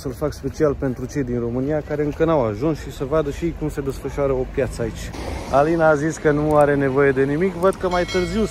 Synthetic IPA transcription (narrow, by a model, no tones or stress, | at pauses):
səlfakspe̞t͡ʃialpe̞nt̪ɾut͡ʃe̞jd̪inro̞mɨnijakaɾe̞ɨŋkənawaʒunsʃisəvad̪əʃikumse̞d̪e̞sfəʃoaɾəo̞pjat̪səait͡ʃʲalinaːziskənuaɾe̞ne̞vo̞je̞d̪e̞nimikvəd̪̚kəmajt̪ɨrziw